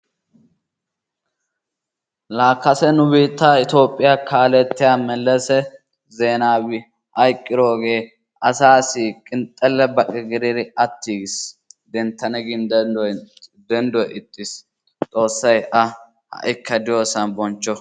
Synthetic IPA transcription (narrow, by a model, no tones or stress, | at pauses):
laːkːɐsɛnʊbiːt̪ːaːɪt̪o̞ːpʼːɪjakʰaːlɛt̪ːɪjaːmɛlːɛsɛ | ze̞ːnaːwɪ | ʔɐjkʼːɪɾoːɡe̞ː | ʔɐsaːsiːkʼɪnt̪ʼːɛlːɛbɐkʼɪɡɪɾɪɾɪɐt̪ːiːɡɪsd̪ɛnt̪ːɐnɛɡɪn | d̪ɛnd̪ɔjɪt̪ʼːɪs | t̪ʼo̞ːsːɐjɐ | hɐ̰ʔɪkʰːɐd̪ɪjoːsɐnbɔnt͡ʃːɔ